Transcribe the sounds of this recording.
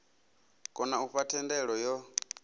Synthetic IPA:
kʼɔnauɸatʰɛndɛɺɔjɔ

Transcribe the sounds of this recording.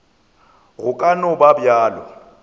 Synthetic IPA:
ɣʊkʼanɔbabjaːlɔ̰

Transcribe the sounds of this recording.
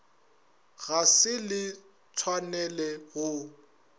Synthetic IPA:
ɣasɪlɪ | t͡sʰwanɛlɛɣʊ

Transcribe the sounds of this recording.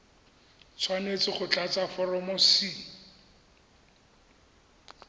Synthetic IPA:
t͡sʰwanet͡sɪχʊt͡ɬat͡safɔrɔmɔsi

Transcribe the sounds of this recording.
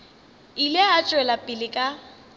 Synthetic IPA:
ilɪat͡ʃʼwɛlapʼɪlɪkʼa

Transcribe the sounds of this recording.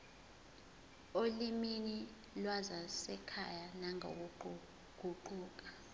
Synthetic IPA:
olimini | lwazasɛkʰa̰janaŋʱo̰k̬u | ɡ̥ʱuǃuːk̬ʼḁ

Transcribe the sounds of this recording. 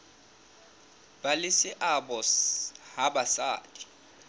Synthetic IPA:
balɪsɪʔaɓɔshabasa̰ːdʼi̥

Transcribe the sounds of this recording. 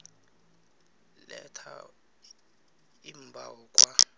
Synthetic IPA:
lɛtʰa | im̩bʱawɔkʼwa

